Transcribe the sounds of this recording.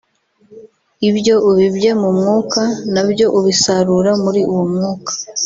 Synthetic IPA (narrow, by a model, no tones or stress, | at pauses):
ibjo̞ʔuβibje̞mumŋuːkanabjo̞ʔuβisaɾuɾamuɾiʔuwomŋuːkḁ